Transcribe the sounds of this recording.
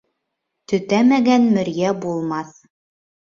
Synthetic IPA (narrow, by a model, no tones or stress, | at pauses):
t̪ɵ̆t̪æmæɡænmɵ̆ɾjæbulˠmɑθ